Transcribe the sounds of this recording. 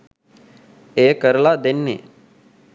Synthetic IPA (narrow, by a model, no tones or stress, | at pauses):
eːkəɾlad̪ɪnːḛ